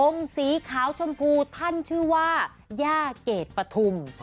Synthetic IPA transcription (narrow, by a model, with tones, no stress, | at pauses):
o˧ŋsiː˩˦kʰaː˩˦wt͡ɕʰo˧mpʰuː˧t̪ʰa˥˩nt͡ɕʰɯː˥˩waː˥˩ | jaː˥˩keː˨˩t̪̚pɾa˧t̪ʰu˧m